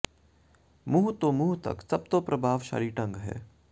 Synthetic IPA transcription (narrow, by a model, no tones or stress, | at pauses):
muːɦt̪omuːɦt̪ɐ̰ksɐb̚t̪opɾɐbʱaːʋʃa̰ːɾiʈɐ̃ŋɡɦɛ̰ː